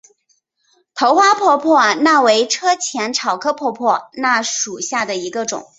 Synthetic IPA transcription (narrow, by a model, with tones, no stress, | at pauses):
t̪ʰo˧˥ʊxwa˥pʰwɔ˥˧pʰwɔ˥˧na˥˩we˧˥ɪʈ͡ʂʰɤ˥t͡ɕʰjɛ˧˥nʈ͡ʂʰɑ˨˩ʊkʰɤ˥pʰwɔ˥˧pʰwɔ˥˩na˥˩ʂu˨˩ɕja˥˩d̪ə˩i˧˥ɡə˧ʈ͡ʂʊ̰˨˩˦ŋ